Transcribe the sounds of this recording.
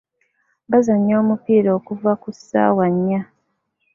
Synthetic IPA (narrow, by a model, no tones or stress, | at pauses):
bazaɲːo̞ːmupiːɾoːkuvakusːa̰ːwaɲːa